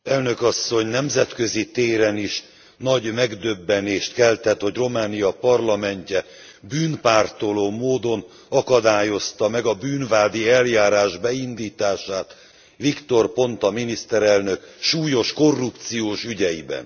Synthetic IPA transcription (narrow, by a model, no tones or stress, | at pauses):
ɛlnø̞kɒsːo̞ɲnɛmzɛt̪kø̞zit̪eːɾɛniʃ | nɒɟmɛɡd̪øbːɛneːʃt̪kɛlt̪ɛt̪ho̞ɟro̞maːnijɒpɒrlɒmɛɲcɛ | byːnpaːrt̪o̞loːmoːd̪o̞n | ɒkɒd̪aːjo̞st̪ɒmɛɡɒbyːnvaːd̪iɛljaːɾaːʒbɛind̪iːt̪aːʃaːt̪ | ʋikt̪o̞rpo̞nt̪ɒminist̪ɛɾɛlnøkʃuːjo̞ʃko̞rːupt̪sijoːʃyɟɛjḭbɛ̰n